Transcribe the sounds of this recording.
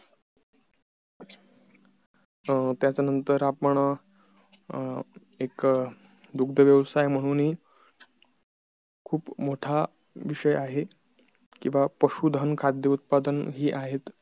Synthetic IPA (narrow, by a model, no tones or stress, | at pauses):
t̪jat͡sanənt̪əɾapəɳ | ek | d̪uɡ̚d̪ʱəʋjəʋsajm̤əɽ̃uːnɦiː | kʰuːpmoʈʰa | ʋiʂəjaɦe | kĩw̃ʋapəɕuːd̪ʱənkʰad̪jəut̪̚pad̪ənɦiːʔaɦet̪